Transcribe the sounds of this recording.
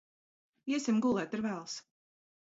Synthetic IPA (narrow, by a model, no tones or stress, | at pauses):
iɛsʲimɡulˠɛːt̪aɾvæːlˠs